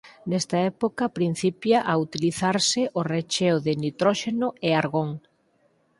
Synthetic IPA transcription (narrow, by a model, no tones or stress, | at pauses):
nɛst̪ɐɛpokɐpɾin̟θipjaʔaut̪iliθaɾsɪʔoret͡ʃewðɪnit̪ɾɔʃenʊeaɾɣoŋ